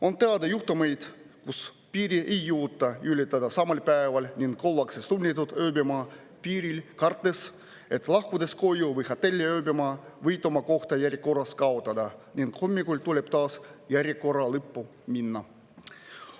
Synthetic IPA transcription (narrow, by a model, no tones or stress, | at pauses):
o̞nt̪e̞ɑd̪ɑjuxt̪umejd̪̥ | kus | piːɾiʔejːuːt̪ːɑylʲːit̪ːˑɑd̪ɑsɑmɑlʲpæːvɑlʲnʲiŋɡkolːɑksest̪unʲːit̪ːˑut̪øːbemɑː | piːɾilkɑrt̪ːe̞s | et̪lɑhkud̪e̞sko̞juvɯjhɑt̪ːelʲːiøːbemɑːvɯjt̪omɑko̞ht̪ɑjæɾʲeko̞rːɑskɑot̪ːˑɑd̪ɑnʲiŋɡhomʲːikulʲt̪ule̞b̥t̪ɑːsjæɾʲjeko̞rɑlɯpːu | minːɑ